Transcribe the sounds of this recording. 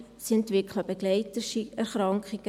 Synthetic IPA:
siɛntʋɪkχləb̥eɡ̥lɛɪtəʃiɛɾχɾɑŋkχiɡ̥ə

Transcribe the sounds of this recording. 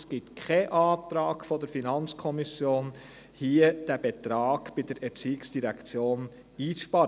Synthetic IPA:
sɡ̥ɪtkʰχɛʔɑːt̪ɾɑːɡfɔdəɾfinɑnt͡skʰɔmisjoːn | hiːəd̥æb̥et̪ɾɑːɡ̥b̥ɪd̥əɾɛɾt͡siːɪksd̥iɾɛkt͡sjoːn | iːt͡sʃpɑɾə

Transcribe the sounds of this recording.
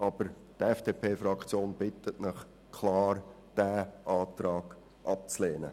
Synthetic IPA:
ʔɑb̥əɾ | tɛfd̥eːpʰeːfrɑkʰt͡sjoːnb̥ɪtətnɪχ | kʰlɑːr | d̥æːʔɑːt̪ɾɑːɡ̥ | ʔɑp̚t͡sleːnə̰

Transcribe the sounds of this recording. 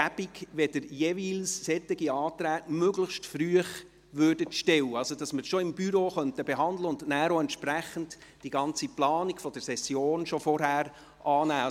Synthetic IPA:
æb̥iɡʋɛdəɾjeʋiːlsːɛt̪ːɪɡiɑːtɾæːtmøɡləχʃtfɾyəχ | ʋøːɾdətʃtɛwəɑlsod̥ɑsməɾʃoɪmbyɾoːχœntəbeɦɑndləʊndnæːɾoɛntʃpɾæχəntd̥iɡɑnt͡siplɑːniɡfɔd̥əɾsɛsjoːnʃofɔɾhæːɾ | ʔɑːnæː

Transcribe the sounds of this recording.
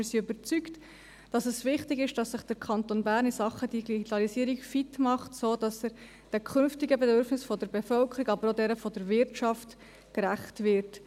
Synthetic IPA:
ɪɾsiøbəɾt͡sykt | d̥ɑsəsʋɪχtɪɡɪʃd̥ɑsːɪχd̥əɾkʰɑntoːnbæːɾnisɑχːəd̥iɡiɡit̪ɑlisiːəɾikfitmɑχtsoːd̥ɑsəɾ | d̥ɛkʰχʏnftiɡəbɛdøɾfnɪsfɔdəɾbefœlkʰəɾiɡɑbəɾodɛɾəfɔdəɾvɪɾtʃɑft | kɾæχtvɪɾt

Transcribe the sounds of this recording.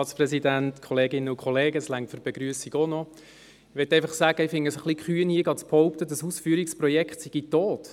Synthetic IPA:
ɑːtsprɛsidæntkʰɔleːɡɪnəʊkχɔleːɡəslæŋtfyɾb̥eɡ̥ɾyəsiɡonɔ | ʋɛt̪ːɛɪfɑχsæːɡ̥əɪfɪŋəsəχlikχyːənhiəɡɑtt͡sphɔʊpt̪ədɑsuːsfyːɾiksprɔjɛkχtsiɡ̥itoːt

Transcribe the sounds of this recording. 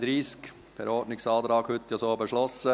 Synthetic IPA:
d̪ɾiːsk | fɛ̰ɾɔɾdnɪksɑːd̪ɾɑːɡhʏt̪ːjasoːbəʃlɔsə

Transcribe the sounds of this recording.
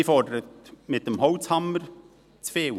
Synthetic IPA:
fɔdəɾətmɪt̪̚dəmɦɔwt͡shɑmːəɾ | t͡sfeːw

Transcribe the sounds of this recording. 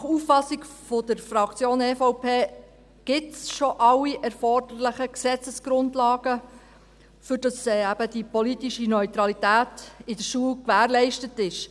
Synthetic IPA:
nχuffɑsikfod̥əɾfɾɑkt͡sjoːnɛfɔʊpʰeː | ɡ̥ɪtsʃɔʔɑwiʔɛɾfɔrd̥ərlɪχəksɛt͡səsɡ̥ɾʊntlɑːɡ̥ə | fʏɾd̥ɑsɛæb̥əd̥ipɔlitiʃinœʏt̪ɾɑlitæːtɪd̥əɾʃuəlkʋæːɾlɛɪʃtətɪʃ

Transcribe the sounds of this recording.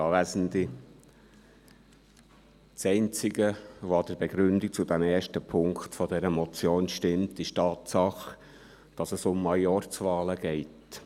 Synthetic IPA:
ɑːʋæːzən̩di | sɛɪnt͡sɪɡəʋoɑd̥əɾbeɡɾʏndik̚t͡sʊd̥æmɛːɾʃtəpʰʊŋktfɔdɛɾəmɔt͡sjoːnʃtɪmtɪʃtɑːt̪sɑχ | d̥ɑsəsʊmːɑjɔrt͡sʋɑːləɡ̥ɛɪt

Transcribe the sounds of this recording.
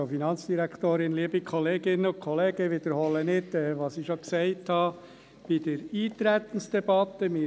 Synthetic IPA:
finɑnt͡ssd̥iɾækʰt̪oːɾɪnliəbikʰɔleːɡ̥ɪnəʊkʰɔleːɡ̥əʋɪd̪əɾhɔlənɪtɛːʋɑsɪʃoksɛɪthɑː | b̥ɪdəɾiːt̪ɾæt̪ən̩sd̥ɛbɑt̪əmɪ

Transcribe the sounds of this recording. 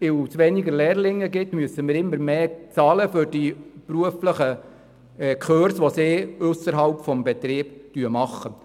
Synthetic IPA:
ɪsʋɛnɪɡəlɛːɾlɪŋːəɡɪtmyəsəmɪːɾɪmːəɾmeːt͡sɑːləfʏɾd̥ipɾuəfləχə | ɛkχøːɾsʋoseːʊsəɾɦɑlpfɔmbɛt̪ɾɪːbtyəmɑχːə

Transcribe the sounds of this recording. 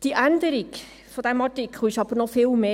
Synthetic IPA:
d̥iʔænd̪əɾik | fod̥̪æmɑɹtɪkʰχl̩ɪʃɑb̥əɾnɔfɪːlmeː

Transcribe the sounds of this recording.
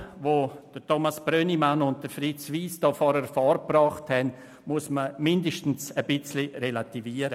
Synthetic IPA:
ʋod̥ətʰomasb̥ɾønimanʊnt̚d̥əfɾit͡sʋiːsd̥ɔːfɔːɾəɾfɔːɾprɑːχthɛn | muəsməmɪndəʃtn̩səbɪt͡sliɾelativiːəɾə

